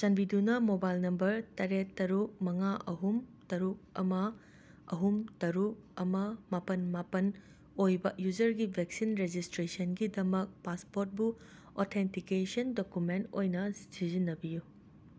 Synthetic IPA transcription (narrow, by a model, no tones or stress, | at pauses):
sɐnbidunɐmobajlnɐmbɐɾtɐɾetːɐɾuk̚mɐŋaʔɐɦumtɐɾuk̚ɐ̰mɐ | ɐ̰ɦumtɐɾuk̚ɐmɐmapɐnmapɐn | ojbɐjud͡ʒɐɾɡibʱeksinɾed͡ʒistɾesɐnɡidɐmɐk̚paspoɾt̚bu | otʰentikesɐndokumento̰jnɐsizinːɐbiju